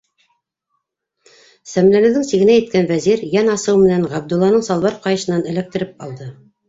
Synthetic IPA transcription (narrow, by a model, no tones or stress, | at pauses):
sæmlænɘ̆ðɘŋsiɡɘ̆næjɘ̆t̪̚kænvæziɾjænɑsɤwmɘ̆nænʁæb̚d̪ŭlˠːɑnɤɴsɑlˠβɑɾqɑjɤ̆ʃɤ̆nːɑnɘ̆læk̚t̪ɘ̆ɾɘp̚ɑlˠd̪ɤ